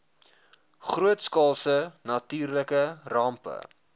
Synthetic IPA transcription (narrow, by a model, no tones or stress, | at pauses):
χruətskɑːlˠsənɐtyːrləkərɑmpə̰